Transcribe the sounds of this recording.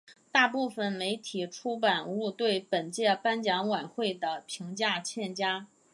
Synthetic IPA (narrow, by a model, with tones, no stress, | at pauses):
t̪a˥˧pu˥˩fə˨˩nme˧˥ɪt̪ʰi˨˩ʈ͡ʂʰu˥p̬a˨˩nu˥˧t̪we˥˩ɪpə˨˩nt͡ɕjɛ˥˩pa˥nt͡ɕjɑ˧˥ŋwa˨˩nxwe˥˩ɪd̪ə˩pʰi˧˥ŋt͡ɕja˥˧t͡ɕʰjɛ˥˩nt͡ɕja˥